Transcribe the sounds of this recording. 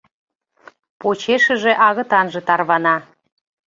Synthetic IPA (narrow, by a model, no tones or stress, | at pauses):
pot͡ɕeʃə̆ʒe̽ʔɑɣə̆t̪ɑnʒĕt̪ɑrβɑnɑ